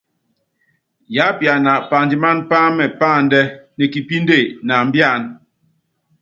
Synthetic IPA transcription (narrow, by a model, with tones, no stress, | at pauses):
ja˨˦pja˨na˨pa˨ndi˨ma˦npa˦mɛ˨pa˦˨n̩˦dɛ˦nɛ˨ki˨pi˦n˦de˦˨na˨m̩˦bja˦˨n